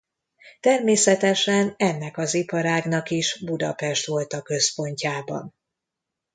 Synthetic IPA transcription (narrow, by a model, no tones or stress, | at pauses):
t̪ɛrmeːsɛt̪ɛʃɛnɛnːɛkɒzipɒɾaːɡnɒkiʃbud̪ɒ̰pɛʃt̪ʋo̞lt̪ɒkːø̞spo̞ɲcaːbɒ̰n